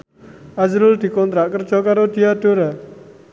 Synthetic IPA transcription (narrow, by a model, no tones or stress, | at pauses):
ad͡ʒɾʊld̪̥i̤kɔnt̪ɾaʔkərd̥ʒ̥ɔ̤kaɾod̪̥ijad̪̥oɾa